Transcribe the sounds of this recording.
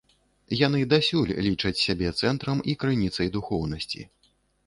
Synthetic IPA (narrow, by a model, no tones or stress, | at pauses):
janɨd̪asʲulʲlʲit͡ʂɐt͡sʲsʲabʲɛt̪sɛnt̪ɾɐmikɾɨnʲit̪sɐjd̪uxɔwnɐsʲt͡sʲḭ